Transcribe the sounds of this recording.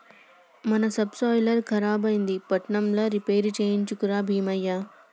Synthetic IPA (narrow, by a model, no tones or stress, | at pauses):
mɐnɐsɐbsaːjlɐɾkʰɐɾaːbɐjnd̪ipɐʈɳɐmlɐɾipeːɾt͡ʃeːjiɲt͡ʃukuɾaːbʱiːmɐjːa